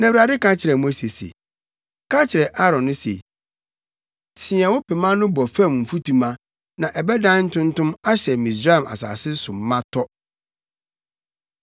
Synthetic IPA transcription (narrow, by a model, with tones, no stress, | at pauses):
nã˨wu˨ɾa˨dɪ˦kã˦t͡ɕʰɪ˨ɾɛ˨mo˦se˨sḛ˨ | kʰã˦t͡ɕʰɪ˨ɾɛ˨ʔa˦ɾɔ̃˨nːʊ̃˦sḛ˨ | tʰɪ˨˦ɛ̃˨wʊ̃˦pɛ˨mã˦nʊ̃˦bɔ˨fã˦˨mm̩˨fu˦tʰũ˨mã˦ | nã˨ʔɛ˨bɛ˦dã˦n̩˦tʊ̃˦n˦tʊ̃˦ma˦ɕɛ˨mĩ˨s̬ɾa˦ɛ˨ma̰˨sa̰ː˨sɪ˦sʊ˨mː˨˦ã˦tʰɔ˦